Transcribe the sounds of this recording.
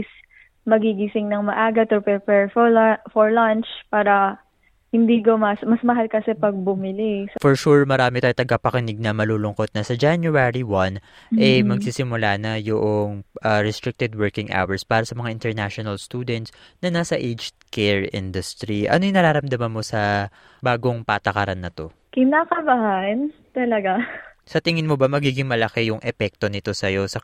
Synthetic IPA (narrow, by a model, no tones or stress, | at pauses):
s | mɐɡiɡisɪŋnɐŋmɐʔaːɡɐt̪ʊpɾɛpɛɹffɔɹlant͡ʃpaːɾɐ | hɪnd̪ikomɐsmɐsmɐɦalkɐsɛpɐɡ̚bʊmɪlɪsfɔɹʃuɹmɐɾaːmɪt̪aːjt̪ɐɡapɐkɪnɪɡ̚nɐmɐluːlʊŋkot̪̚nɐsɐd͡ʒanjʊɛɹiwɐn | ʔɛjmɐɡsiːsɪmʊlaːnɐjoʔoŋʔɐɾɛst̪ɾɪk̚t̪ɪd̪̚wɛɹkɪŋʔa̰wɛɹspaːɾɐsɐmɐŋaʔɪnt̪ɛɹnaʃonɐlst̪uːd̪ɛnt̪snɐnasɐʔejd͡ʒ | kʰɛɹʔɪ̰nd̪ʊst̪ɾiʔɐ̰no̞jʊŋnɐɾaːɾɐmd̪ɐmɐnmo̞sɐ | baːɡo̞ŋpaːt̪ɐkɐɾanːɐt̪o̞ | kɪnaːkɐbɐhan | t̪ɐlɐɡa | sɐt̪ɪŋɪnmobɐmɐɡiːɡɪŋmɐlɐkɛjʊŋʔɛpɛk̚t̪o̞nɪt̪o̞sɐjo̞sɐ